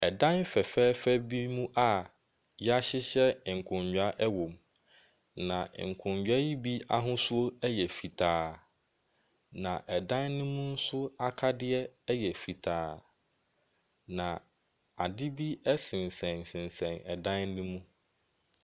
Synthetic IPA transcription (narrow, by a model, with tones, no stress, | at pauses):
ɛ˨dã˦nfɛ˨fɛː˦fɛ˦bi˦mũ˦ʔa˨ | ja˦ɕɪ˦ɕɛ˦˨ŋ̩˨kʰʊ̃˨ɲᶣ˨a˦ʔɛ˦wɔ̃˨m | nã̰˨ŋ̩˨kʰʊ̃˨ɲd͡ʑᶣa˦ji˦bi˦a˦ɦʊ̃˦sʊ˦o˦ɛ˦jɛ˨fi˨tʰaː˨ | nã˨ʔɛ˨dã˦nːʊ̃˦mũ˦n̩˦sʊ˦a˦kʰa˦dɪ˦ɛ˦jɛ˨fi˨tʰaː˨ | nã˨ | a˨dɪ˦bi˦ɛ˦sɪ̃˨n˨sɛ̃˨n˨sɪ̃˨nsɛ̃˨nɛ˨dã˦nnũ˦mũ˦